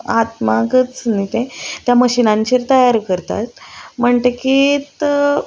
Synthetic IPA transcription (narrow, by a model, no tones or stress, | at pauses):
at̪makət͡snit̪ẽt̪jaməɕinãɲt͡ɕiɾt̪əjaɾkəɾt̪a̰t̪m̤əɳt̪ekit̪